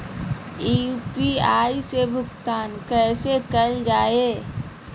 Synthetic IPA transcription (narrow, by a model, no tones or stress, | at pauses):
iupiaːisebʱʊkt̪aːnkɛːsekɐld͡ʒaːeː